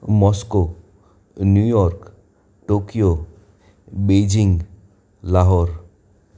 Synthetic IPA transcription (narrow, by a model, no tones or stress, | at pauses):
mɔsko | njujɔɾk | ʈokijo | bed͡ʒiŋ | laɦɔɾ